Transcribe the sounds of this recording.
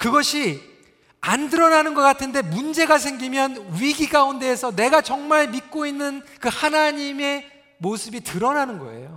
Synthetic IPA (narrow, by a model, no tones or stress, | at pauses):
kɯɡʌɕʰi | andɯɾʌnanɯnɡʌk͈atʰɯnde̞mund͡ʑe̞ɡas̬ʰe̞ŋɡimjʌnɥiɡikaunde̞ːsʰʌne̞ɡat͡ɕʌŋmaɭmit̚k͈oinːɯnkɯhanaɲime̞ | mosʰɯbitɯɾʌnanɯnɡʌ̰e̞̰jo